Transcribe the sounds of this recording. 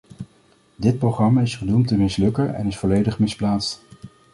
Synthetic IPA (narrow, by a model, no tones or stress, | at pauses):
dɪt̚proχrɑmaɪsχənumtəmɪslɵkəɹɛ̰nɪsfɔlejdəχmɪsplaːtst